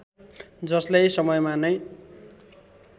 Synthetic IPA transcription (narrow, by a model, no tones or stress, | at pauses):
d͡zʌslajsʌmʌjmanʌj